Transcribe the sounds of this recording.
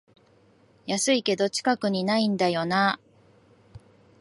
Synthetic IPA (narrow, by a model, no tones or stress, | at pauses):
jasɨike̞d̪o̞t͡ɕi̥kakɯ̟ɲ̟inaĩnd̪ajo̞na